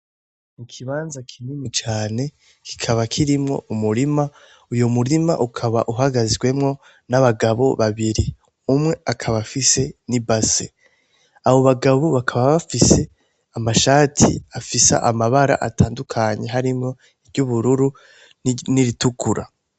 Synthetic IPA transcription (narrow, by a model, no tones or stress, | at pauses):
nikʰiβaːnzakʰinimit͡ʃaːne̞ | kʰi̥kʰaβakʰiɾimŋo̞̰ʔumuɾima | ujomuɾima̰ʔukʰaβa̰ʔuɦaɡazɡwe̞mŋo̞ | naβaɡaβo̞̰βaβiɾi | umŋe̞akʰaβafise̞nibase | aβo̞βaɡaβo̞βakʰaβaβafise̞ | amaʃaːtʰḭafisa̰ʔamaβaɾa̰ʔa̰tʰaːndukʰaɲe̞ɦaɾimŋo̞ | iɾɟuβuɾuɾu | niɾitukʰuɾa̰